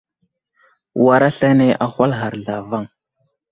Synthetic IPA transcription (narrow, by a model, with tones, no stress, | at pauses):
wa˦ɾa˦ɬa˦ne˦ʔa˨xʷa˦lɦa˨ɾɮa˨va˦ŋ